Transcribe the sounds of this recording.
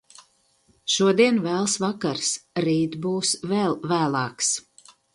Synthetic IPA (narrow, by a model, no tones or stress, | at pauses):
ʃuɔd̪iɛnvæːlˠsvakaɾsɾiːt̪buːsvɛlˠvæːlˠɑːks